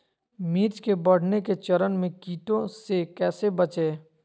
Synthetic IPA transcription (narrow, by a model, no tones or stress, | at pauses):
miːɾt͡ʃkebɐɽ̤neket͡ʃɐɾənmẽkiːʈõsekɛːsebɐt͡ʃeː